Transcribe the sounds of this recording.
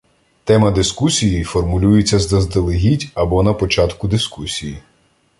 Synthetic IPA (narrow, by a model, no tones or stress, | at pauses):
t̪ɛmɐd̪ɪskusʲijijfɔrmʊlʲujet͡sʲːɐzd̪ɐzd̪elˠɪɦʲitʲɐbɔnɐpɔt͡ʃɑt̪kʊd̪ɪskusʲiji